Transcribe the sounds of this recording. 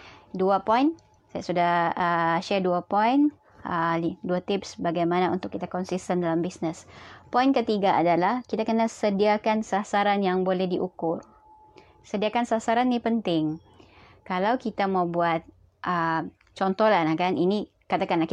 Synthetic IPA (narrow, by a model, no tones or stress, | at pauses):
duapɔjn | sajasudahəʃɛrduapɔin | ʔəliduat̪ɪpsbaɡajmanaunt̪ʊkːit̪akɔnsist̪əndalambisnəspɔjnkət̪iɡaʔadalahkit̪akənasədiakansasaɾanjaŋbolɛhdiʔukʊr | sədiakansasaɾanːipənt̪ɪŋ | kalawkit̪amawbuat̪̚ | ʔəm | t͡ʃɔnt̪ɔlahlahkanini | kat̪akanlak